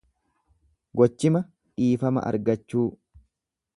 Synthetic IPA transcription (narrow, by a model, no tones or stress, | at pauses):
ɡɔt͡ʃːɪmɐ | ᶑiːfɐmɐ̰ʔɐ̰ɾɡɐt͡ʃːuː